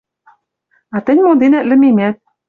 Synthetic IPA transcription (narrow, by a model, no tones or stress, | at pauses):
ɑt̪ɘ̆nʲmod̪enæt̪̚lʲɘ̆mimæt̪̚